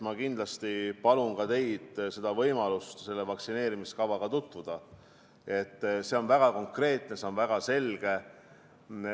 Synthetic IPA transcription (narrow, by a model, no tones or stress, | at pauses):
mɑkind̪lɑst̪ipɑlunkɑt̪e̞jd̪̥se̞d̪̥ɑvɤjmɑlust̪se̞lːe̞vɑksine̞ːɾimiskɑvɑɡ̥ɑt̪ut̪ːˑvud̪̥ɑ | e̞t̪ːse̞o̞nvæɡ̥ɑko̞ŋkre̞ːt̪nese̞o̞nvæɡ̥ɑse̞lɡ̥e̞